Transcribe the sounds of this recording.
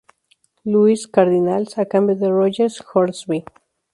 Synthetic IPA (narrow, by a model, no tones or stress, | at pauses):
luiskaɾðinalsakambeðerod͡ʒeɾsxoɾsbi